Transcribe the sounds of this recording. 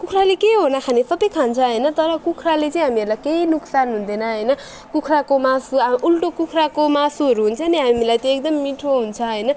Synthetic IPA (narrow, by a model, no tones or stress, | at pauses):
kukʰralekeɦonʌkʰanesʌbʌjkʰant͡sʰʌɦʌjnʌt̪ʌɾʌkukʰralet͡sʌĩɦamiʌrlajkeinuksanɦund̪enʌɦʌjnʌ | kukʰrakomasuulʈokukʰrakomasuɦʌɾuɦunt͡sʰʌniɦamilajt̪eekd̪ʌmːiʈʰoɦunt͡sʰʌɦʌjnʌ